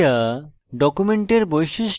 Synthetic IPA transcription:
a | ɖɔkumeɳʈeɾbojʃiʃ

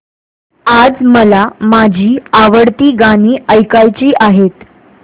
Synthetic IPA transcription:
ad͡zməlamad͡ʑʱiːaʋəɽt̪iːɡaɽ̃iːəjkajt͡ɕiːʔaɦet̪

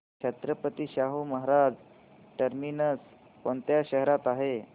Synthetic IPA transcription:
ɕʰət̪ɾəpət̪iːɕaɦuməɦaɾad͡z | ʈəɾminəs | koɳt̪jaɕəɦɾat̪aɦe

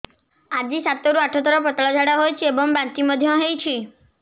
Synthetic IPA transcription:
ad͡ʒisat̪ɔɾuaʈʰɔt̪ɔɾɔp̬ɔt̪ɭɔd͡ʒʱaɽaɦojt͡ʃʰiebɔŋbãnt̪imɔd̪ʱjɔɦejt͡ʃʰi

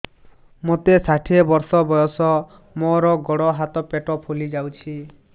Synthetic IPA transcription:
mot̪esaʈʰiebɔɾsɔbɔjɔsɔ | mɔɾɔɡɔɽɔɦat̪ɔpeʈɔpʰolid͡ʒawt͡ʃʰi

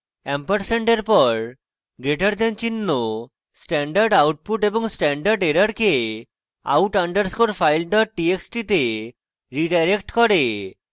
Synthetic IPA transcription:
ɛmpəɾseɳɖeɾpɔɾ | ɡɾeʈəɾd̪ɛnt͡ɕinːo | sʈɛɳɖəɾɖawʈ̚puʈeboŋsʈɛɳɖaɾɖeɾəɾke | a̰wʈaɳɖəɾskoɾfʰajlɖɔʈ̚ʈieksʈit̪e | ɾiɖajɾekʈkɔɾe

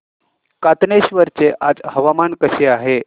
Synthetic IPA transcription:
kat̪neɕʋəɾt͡seʔad͡zhəʋamankəɕeaɦe

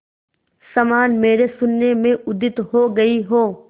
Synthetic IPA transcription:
sɐmaːnmeːɾesʊnːemẽʊd̪ɪt̪ɦoɡɐiɦoː

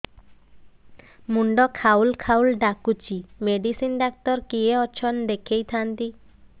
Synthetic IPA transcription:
muɳɖɔkʰawlkʰawlɖakut͡ʃimeɖisinɖak̚t̪ɔɾkieɔt͡ʃʰɔnd̪ekʰejt̪ʰant̪i

